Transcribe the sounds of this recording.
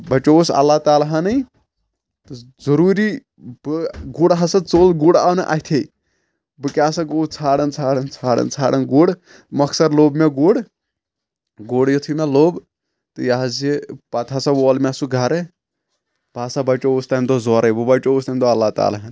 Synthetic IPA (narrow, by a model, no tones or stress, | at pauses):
bɐt͡ʃousɐ̰lːaːt̪aːlaɦanɐj | t̪ɨzɐɾuːɾi | bɨɡuːɽɦɐsɐt͡soːlɡuːɽa̰ːwnɐʔa̰ɦit̪ʰej | bɨkʲaːsɐɡoːt͡sʰaːɽɐnt͡sʰaːɽɐnt͡sʰaːɽɐ̰nt͡sʰaːɽɐnɡuːɽ | mɐksɐɾloːbmeɡuːɽ | ɡuːɽjɐt̪ʰumeloːb | t̪ɨjaɦɐzepɐt̪ʰasɐʋoːlmʲesuɡʱɐɾe | bʱaːsɐbɐt͡ʃoust̪ɐnd̪ozɔːɾɐjbɨbɐt͡ʃoust̪ɐnd̪oɐlːaːt̪a̰ːlaɦan